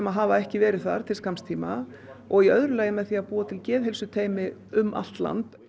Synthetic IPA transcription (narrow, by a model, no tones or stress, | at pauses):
ɛmaðɦaːvaɛhcɪvɛːɾɪðθa̰ɾ̥t̪ʰɪlskamst̪ʰiːma | ɔɣiœðɾʏlɛːjɪmɛðθiːaðpuːat̪ʰɪlcɛːðɦɛlsʏt̪ʰeːjmɪʏmʔa̰l̥t̪la̰nt̪